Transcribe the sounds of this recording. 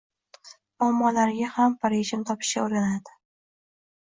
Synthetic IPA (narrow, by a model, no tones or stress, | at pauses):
ɒmːɒlaɾɡʲahampʰaɾeʒɪmt̪ʰɒpʰɪ̥ʃkʲa̰oɾɡʲanad̪ɪ̥